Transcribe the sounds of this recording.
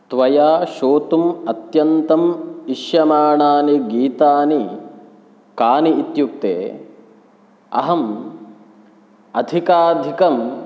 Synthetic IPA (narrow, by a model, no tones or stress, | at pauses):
t̪ʋɐjaːʃoːt̪umɐt̪jɐnt̪ɐmiʃjɐmaːɳaːniɡiːt̪aːni | kaːniːt̪juk̚t̪ḛː | ɐ̰ɦɐm | ɐd̪ʱikaːd̪ʱikɐm